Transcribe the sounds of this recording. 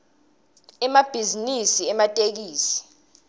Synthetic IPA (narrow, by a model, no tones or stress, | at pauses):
ɛmab̥ʱizinisiɛmatʼek̬iːsi̥